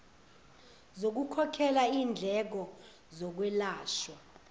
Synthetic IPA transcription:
zok̬ukʰɔkʰɛlaiːnd͡ɮʱɛk̬ɔ | zɔk̬wɛlaːʃwa

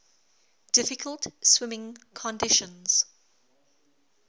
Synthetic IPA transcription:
d̥ɪfɪkʰəlˠtswɪmɪ̃ŋkʰɔ̃ndɪʃə̃nz̥

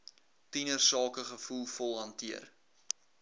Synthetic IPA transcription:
tinərsɑːkəχəfulˠfɔlˠɦɐntiər

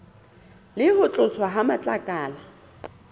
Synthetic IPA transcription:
lɪhʊt͡ɬʼʊswaɦamat͡ɬʼakʼaːla

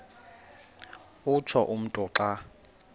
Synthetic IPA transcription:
ʊt͡ʃʰɔʔum̩tʼɔǁa

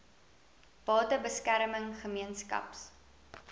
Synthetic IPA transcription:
b̥ɑːtəbəskæɾməŋχəmiənskɐ̰ps

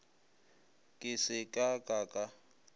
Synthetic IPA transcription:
kʼɪsɪkʼakʼakʼa

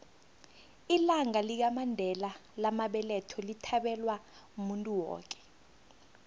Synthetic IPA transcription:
ilaŋalik̬amandʱɛlalamaɓɛlɛtʰɔlitʰaɓɛlwa | umuntʼuwɔ̰ːk̬ʼɛ̥

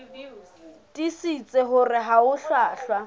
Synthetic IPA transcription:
tʼisit͡sʼeɦʊrɪɦaʊɬaːɬwa

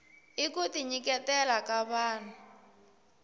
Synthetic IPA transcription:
ikutiɲikɛtɛlakaβaːn̤a

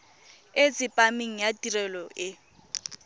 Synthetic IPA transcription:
et͡sʼɪpʼamiŋ̩jatirɛlɔʔɪ

